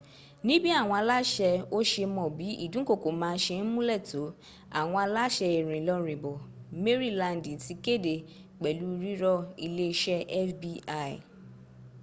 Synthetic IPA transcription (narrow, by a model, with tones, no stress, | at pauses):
nĩ˦bi˦a˦˨w̃ɔ̃˧a˧la˦ʃɛ˧o˦ʃe˧mɔ̃˨bi˨˦ḭ˦˨dũ˨˦ko˦˨ko˨mãː˨˦˧ʃe˧n̩˦mũ˦lɛ˦˨to˨˦ | a̰˨w̃ɔ̃˧a˧la˦ʃɛ˧e˨ɾ̃ĩ˨lɔ˧ɾĩ˨bɔ˨me˦ɾi˦˨lã˧n˨dĩ˨ti˨˧ke˦˨de˨ | k͡pɛ˨lu˨˦˧ɾi˦ɾɔ˦i˧le˦˧ʃɛ˦ɛ˦fbi˧a̰˦˨